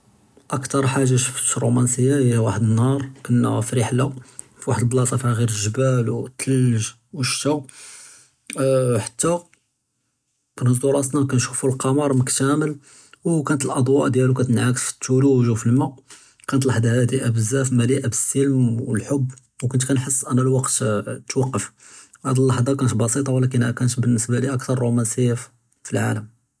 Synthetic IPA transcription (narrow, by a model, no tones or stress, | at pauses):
ʔəkt̪ɑɾˤħaʒːaʃfɾˤumænsəjːahæwaħəd̪ənhɑɾˤkænːʕæfɾiħla | fiwaħəd̪əlblɑsˤɑfihæɣiɾəlʒəbælwt̪ʰːəlʒ | wəʃːæ | ħḁt̪ːæ | bnɑsd̪uɾˤɑsnɑkænʃu̥fulqɑmɑɾˤməkt̪æməl | wkænət̪əlʔɑd̪ˤwɑʔd̪jælukæt̪ənʕakəfə̥t̪ːuluwʒufəlmæ | kænət̪lɑħd̪hæd̪iʔæbəzːæfmæliʔabəsːəlmwəlħobː | wkʊnt̪kænħəsːʔænælwɑqt̪t̪wɑqːəf | hæd̪əlːɑħd̪ˤɑkænət̪bɑsit̪ˤɑwlæk̬ənhækænət̪bənːəsbæliʔækt̪ɑɾˤːumænsijæf | filʕa̰ləm